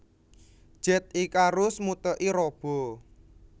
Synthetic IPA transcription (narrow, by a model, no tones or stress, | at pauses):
d̥ʒ̥ɛt̪̚ikaɾʊsmut̪əʔiɾɔb̥ɔ̤